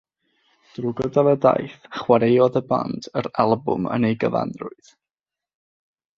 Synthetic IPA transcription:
d̥rʊɡɔdalˠəda̰jθχwaɾejɔðəba̰ndʰəɾalˠbʊ̰mə̰nejɡəva̰nrʊɨð̥

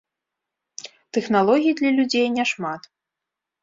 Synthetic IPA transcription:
t̪ɛxnalˠɔɣʲijid̪lʲɐlʲud͡zʲejnʲɛʂmat̪

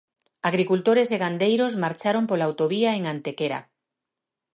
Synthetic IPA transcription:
aɣɾikult̪oɾeseɣand̪ejɾosmaɾt͡ʃaɾompolawt̪oβiaeŋant̪ekeɾa̰

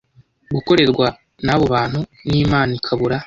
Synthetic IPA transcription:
ɡuko̞ɾe̞ɾɡwa | naβo̞βaːnhuniːmaːnikʰaβuɾa

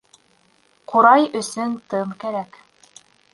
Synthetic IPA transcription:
qʰoɾɑjɵ̆sɵnt̪ɤɴkæɾæk

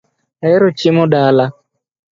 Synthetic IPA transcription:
aɛɾɔt͡ʃimɔɗala

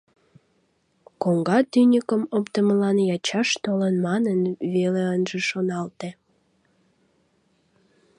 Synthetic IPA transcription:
koŋɡɑt̪ynʲəkəmopt̪əməlɑnjɑt͡ɕɑʃt̪olənmɑnənβeleənʒeʃonɑlt̪e

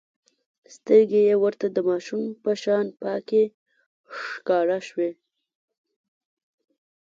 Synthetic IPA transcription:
st̪əɾɡejewəɾt̪ad̪əmɑʃumpəʃɑnpɑke | ʂkɑɾaʃwe

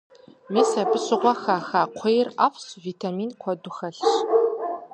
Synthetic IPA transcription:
meːsɐbɨɕʼɪʁʷɔxaːxaːqʷʰejra̰ːfsviːtʰamiːnkʷʰɔdʊxɐɬɕ

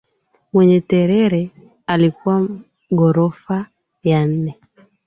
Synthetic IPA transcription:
mwɛɲɛtɛɾɛɾɛ | alikuwa | ɡɔɾɔfa | jan̩nɛ

